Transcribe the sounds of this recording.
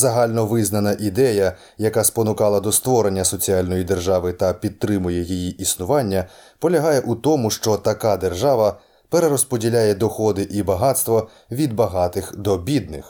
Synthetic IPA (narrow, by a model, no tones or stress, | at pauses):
zɐɦɑlʲnɔʋɪznɐnɐʔid̪ɛjɐ | jɐkaspɔnʊkɑlˠɐd̪ɔst̪ʋɔɾenʲːɐsɔt͡sʲialʲnɔjid̪e̞rʒɑʋɪt̪ɐpʲid̪̚t̪ːɾɪmʊjɛjijiʔisnʊʋɑnʲːɐpɔlʲɐɦɑjɛʔut̪ɔmʊʃt͡ʃɔt̪ɐkad̪erʒɑʋɐ | peɾeɾɔspɔdʲilʲajɛd̪ɔxɔd̪ɪʔibɐɦɑt̪st̪ʋɔ | ʋʲid̪̚bɐɦɑt̪ɪxd̪ɔbʲid̪nɪx